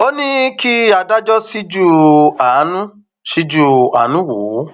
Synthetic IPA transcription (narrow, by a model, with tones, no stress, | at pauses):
o˦nĩ˦ki˦a˧da˦d͡ʒɔ˦si˦d͡ʒu˦a˨˦nũ˦ | ʃi˦d͡ʒu˦a̰˨˦nũ˦wo˨˦